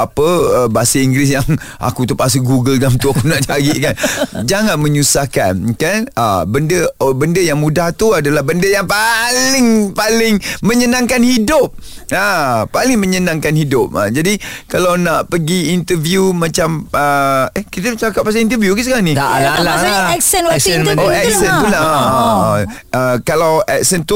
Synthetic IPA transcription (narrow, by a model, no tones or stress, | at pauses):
apəəbaasəiŋɡɾɪs̬jaŋa̰kut̪əpas̬uɡuɡəldamt̪uakunaʔt͡ʃaɡiʔkand͡ʒaŋanməɲusahka̰nkanə̰bəndəbəndəjaŋmudaht̪uadalahbəndəjaŋpalɪŋpalɪŋməɲənãŋkanhidʊp̚əpalɪŋmə̃ɲənãŋkanhidʊp̚a̰d͡ʒadikalawnaʔpəɡiːnt̪əvjumãt͡ʃaməehkit̪ət͡ʃakap̚ːas̬aint̪əvjukəsəkaaŋniaaaɛksənoɛk̚səntula | ʔəkalawʔɛk̚sənt̪u